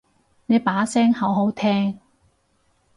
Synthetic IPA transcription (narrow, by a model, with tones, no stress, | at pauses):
ne˨˧jpaː˨˥sɛː˥ŋhɐ˨˥wɦo˨˥wt̪ʰɛː˥ŋ